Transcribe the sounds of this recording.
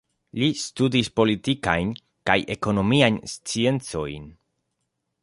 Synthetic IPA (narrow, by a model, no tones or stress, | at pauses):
listudispo̞litikajn | kaje̞ko̞no̞miajnst͡sie̞nt͡so̞̰jn